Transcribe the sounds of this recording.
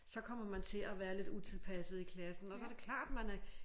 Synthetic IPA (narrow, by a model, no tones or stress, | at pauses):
sɒ̽kʰɒ̽m̰ɐmænt͡sʰe̝æʋæːɐle̝d̥ut͡sʰe̝lˠpʰæsð̩ˠikʰlæsn̩ɒ̽sɒɐdɾe̝kʰlɑ̰̈ːd̥mænæ